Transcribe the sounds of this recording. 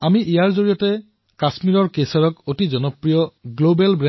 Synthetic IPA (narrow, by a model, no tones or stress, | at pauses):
amiʔijaɹzoɹijɔtɛ | kasmiɹɔɹkesɔɹɔkotizɔnɔpɹijɔɡlobɛlbɹɛ̃